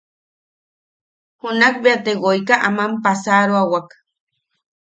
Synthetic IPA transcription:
hunak̚beat̪eɣojkaʔamampasaɾoawak

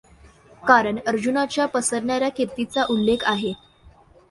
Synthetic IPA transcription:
kaɾəɳəɾd͡ʑunat͡ɕjapəsəɾɳjaɾjakʰet̪it͡saʔulːekʰaɦe

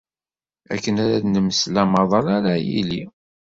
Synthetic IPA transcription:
æ̰kːənæɾæðnəməslæmɑðˤɑɾaɾajḭli

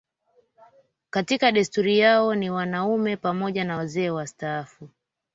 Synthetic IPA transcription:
katikaɗɛstuɾijaɔniwanaumɛpamɔʄanawazɛːwastaːfu

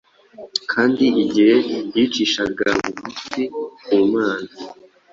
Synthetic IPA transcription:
kʰaːndiiɟihejit͡ʃiʃaɡamuɡusikumaːzi

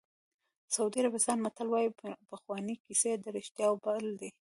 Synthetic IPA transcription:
saud̪iaɾabɪst̪ɑnmat̪alwɑjipəxwɑnikised̪əɾɪʃt̪jɑwbald̪e

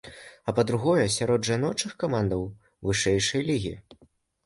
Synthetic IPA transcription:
ɐpɐd̪ɾuɣɔjɐsʲaɾɔd̪ʐanɔt͡ʂɨxkamand̪ɐw | vɨʂɛjʂɐjlʲiɣʲḭ

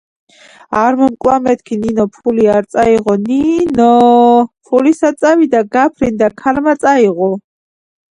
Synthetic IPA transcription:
aɾmɔmkʼwamɛt̪ʰkʰininɔpʰuliaɾt̪sʼaiʁɔninɔpʰulisat̪sʼavid̪aɡapʰɾind̪akʰalmat̪sʼaiʁɔ

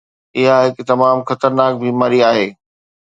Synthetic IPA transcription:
ɪɦaɦɪkt̪ɐmaːmxɐt̪əɾnaːk̚bʱiːmaːɾiaːɦeː

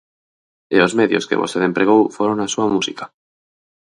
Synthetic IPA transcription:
eozmeðjoskḛβoseðe̞mpɾeɣ̞owfweɾonasuamusikḁ

